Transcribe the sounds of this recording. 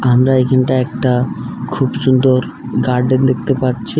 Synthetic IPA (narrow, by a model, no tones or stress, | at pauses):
amɾaekʰanʈaɛk̚ʈakʰubsund̪oɾ | ɡaɾɖend̪ek̚ʰt̪epaɾt͡ɕʰi